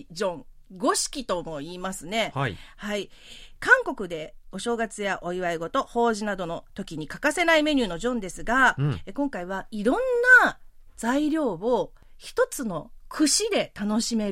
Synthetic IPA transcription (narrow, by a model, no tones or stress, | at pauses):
d͡ʑõŋ | ɡo̞ɕi̥kʲit̪o̞mo̞iːmasɨne̞haikãŋko̞kɯ̟d̪e̞o̞ɕo̞ːɡat͡sɨjaʔo̞iβaiɡo̞t̪o̞ho̞ːʑinad̪o̞no̞t̪o̞kʲiɲ̟ikakase̞naime̞ɲ̟ɨːno̞ʑõ̞nd̪e̞sɨɡaekõ̞ŋkaiβ̞aiɾõ̞nːad͡zaiɾʲo̞ːβo̞ | çi̥t̪o̞t͡sɨno̞kʰɯ̟ɕid̪e̞t̪ano̞ɕime̞